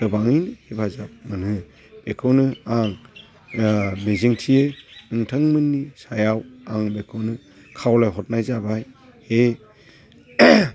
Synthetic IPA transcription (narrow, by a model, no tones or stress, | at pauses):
dɯbaŋɯjnɯhibazap̚mɯnɯ | b̥ekʰɯwnɯaŋ | meziŋtʰijeɯŋtʰɯŋmɯnːisajawaŋbekʰɯwnɯ | kʰawlajɦɔt̚najzabaj | he